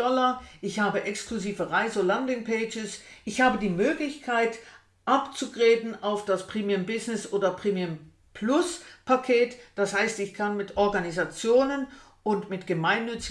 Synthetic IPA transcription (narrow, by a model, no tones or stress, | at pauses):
ɔlɐʔɪçhaːbəʔɛkskluziːvəʁaɪzolandɪŋpʰeːd͡ʒɪs | ʔɪçhaːbədiːmøːɡlɪçkʰaɪt | ʔapt͡suɡʁeːdn̩aʊfd̥aspʁ̥eːmiəmbɪznɪsʔoːdɐpʁ̥eːmim | pʰlʊspʰakʰeːtd̥ashaɪstɪçkʰanmɪtʰʔɔɐɡanizat͡sjoːnən | ʊntmɪtɡ̥əmaɪnːʏt͡sɪ